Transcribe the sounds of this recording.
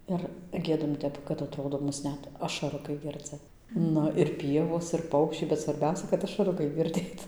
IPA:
ɪr ˈɡʲiɛdɐm ˈtʲɛp kɐt ɐtˈroːdoː ˈmʊs ˈnʲɛt ɐʃɐˈrʊkɐɪ ˈɡʲɪrd͡zɨ ˈnʊ ɪr ˈpʲiɛʋoːs ɪr ˈpɐʊkʃʲt͡ʃʲɛɪ bʲɛt sʋɐrʲˈbʲɛʊsʲɛ kɐt ɐʃɐˈrʊkɐɪ ɡʲɪrʲˈdʲeːt

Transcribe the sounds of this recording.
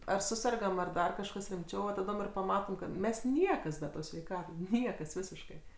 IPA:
ɐr ˈsʊsʲɛrɡɐm ɐr ˈdɐr kɐʃˈkɐs rʲɪmʲˈt͡ʃʲɛʊ ʋɐ tɐˈdoːm ɪr pɐˈmɑːtoːm kɐt ˈmʲɛs ˈnʲiɛkɐs bʲɛ ˈtoːs sʲʋʲɛɪˈkɑːtoːs ˈnʲiɛkɐs ˈʋʲɪsʲɪʃkɐɪ

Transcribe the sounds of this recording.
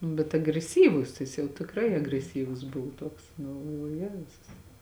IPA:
nʊ bʲɛt ɐɡrʲɛˈsʲiːʋʊs ˈjɪs jɛʊ tʲɪkˈrɐɪ ɐɡrʲɛˈsʲiːʋʊs ˈbʊʋoː ˈtuɔks nʊ ɡɐlˠˈʋoːjʊ ˈjæːzʊs

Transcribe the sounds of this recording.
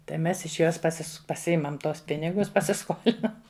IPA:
tɐɪ ˈmʲɛs ɪʃ ˈjoːs pɐˈsʲɪs pɐˈsʲɪɪmɐm ˈtuɔs ˈpʲɪnʲɪɡʊs pɐsʲɪˈskoːlʲɪnɐm

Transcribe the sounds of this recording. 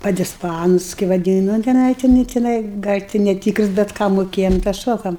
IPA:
pɐdʲɪsˈpɑːnʊs kɐɪ ʋɐˈdʲiːnʊ nʊ tʲɛˈnɐɪ tʲɪˈnɐɪ tʲɪˈnɐɪ ɡɐlʲ tʲɪ nʲɛˈtʲiːkrʊs bʲɛt ˈkɑː moːˈkʲeːjɛm tɑː ˈʃoːkɐm

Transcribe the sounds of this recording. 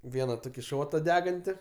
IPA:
ˈʋʲiɛnɐ ˈtoːkʲɪ ˈʃoːtɐ ˈdʲæːɡɐnʲtʲɪ

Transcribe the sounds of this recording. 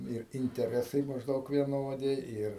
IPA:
ɪr ɪnʲtʲɛˈrʲæːsɐɪ mɐʒˈdɐʊk ʋʲiɛˈnoːdʲɪ ˈɪr

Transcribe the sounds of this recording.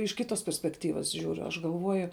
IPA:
ɪʃ ˈkʲɪtoːs pʲɛrʲsʲpʲɛkˈtʲiːʋɐs ˈʒʲuːrʲʊ ɐʃ ɡɐlˠˈʋuɔjʊ

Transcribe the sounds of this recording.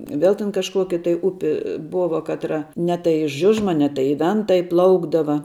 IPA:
ˈʋʲɛlˠ tʲɛn kɐʃˈkuɔkʲɪ tɐɪ ˈʊpʲɪ ˈboːʋɐ ˈkɑːtrɐ nʲɛ tɐɪ ɪ ˈʒʲʊʒmɐ nʲɛ tɐɪ ɪ ˈʋʲɛntɐ ɪˈplˠɐʊɡdɐʋɐ

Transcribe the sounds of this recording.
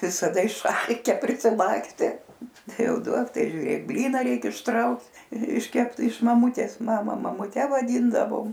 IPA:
ʋʲɪsɐˈdɐ ɪʃˈɐlʲkʲɛ pʲrʲɪsʲɪˈlˠɑːksʲtʲɛ ˈtɐɪ ˈjɛʊ ˈduɔk ˈtɐɪ ʒʲʊˈrʲeːk ˈbʲlʲiːnɐ ˈrʲɛɪkʲɛ ɪʃˈtrɐʊk ɪʃʲˈkʲɛpt ɪʃ mɐˈmʊtʲeːs ˈmɑːmɐ mɐmʊˈtʲɛ ʋɐˈdʲiːndɐʋoːm

